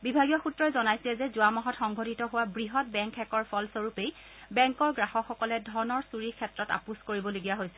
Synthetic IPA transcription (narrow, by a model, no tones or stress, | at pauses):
bibʱaɡijɔxutɹɔɛzɔnajsilɛzɛzʊamɔɦɔtxɔŋɡʱotitɔɦʊwabɹiɦɔt̚bɛŋkʰɛkɔɹpʰɔlsoɹupej | bɛŋkɔɹɡɹaxɔxɔkɔlɛdʱɔɹnɔɹsuɹikʰɛtɹɔta̰puskoɹibɔloɡijaɦojsɛ